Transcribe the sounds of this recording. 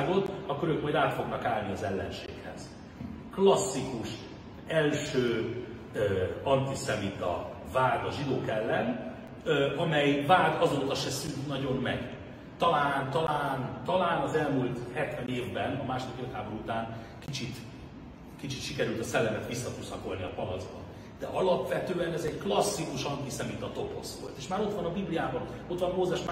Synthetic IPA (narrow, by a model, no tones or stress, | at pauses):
ɡot̪ɒkøɾøkmɒjd̪aːt̪fo̞ɡnɒkaːlniɒzɛlːɛ̰nʃḛːkhɛ̰z̥ | klɒsːikuʃ | ɛlʃøː | øɒnt̪isɛmit̪ɒ̰ | vaːd̪ɒʒid̪oːkɛlːɛn | ɒmɛjvaːd̪ɒzoːt̪ɒʃɛsynt̪nɒɟo̞mːɛ̰ɡ̥ | t̪ɒlaːnt̪ɒlaːnt̪ɒlaːnɒzɛlmult̪hɛt̪ʋɛneːvbɛnɒmaːʃo̞d̪ikøt̪haːboɾuut̪aːn | kit͡ʃit̪ | kit͡ʃit̪ʃikɛɾylt̪ɒsɛlːɛmɛt̪ʋisːɒt̪usɒko̞lniɒpɒlɒzbɒ̰n | d̪ɛ̰ʔɒlɒpʋɛt̪øːɛnɛzɛɟklɒsːikuʃɒnt̪isɛmit̪ɒt̪o̞po̞̰sʋo̞̰lt̪eːʃmaːɾo̞t̪ʋɒnɒbiblijaːbɒn | o̞t̪ʋɒnmoːzɛʃm